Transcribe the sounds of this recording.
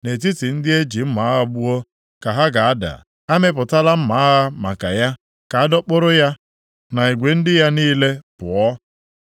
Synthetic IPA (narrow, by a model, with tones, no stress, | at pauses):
ne˨t̬i˦ti˨n̩˦dɪ˦e˦d͡ʒi˨m̩˦ma˨˦a˦ɦɔ˦bʊ˦o˦ | ka˨ɦa˦ɡa˨a˦da̰˨ | a˦me˦p̬ʊ˨ta˦la˦m̩˦ma˨a˦ɦa˦ma̰˨ka̰˨ja˦ | ka˨a˦dɔ˦k͡pʊ˦ɾʊ˦ja˦ | na˨i˨ɡʷe˨n̩˦dɪ˦ja˦niː˦le˦pʊ˨ɔ˦